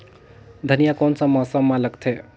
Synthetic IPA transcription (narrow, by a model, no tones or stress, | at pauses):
d̪ʱənijakɔnsə̃masəmːãləɡt̪ʰe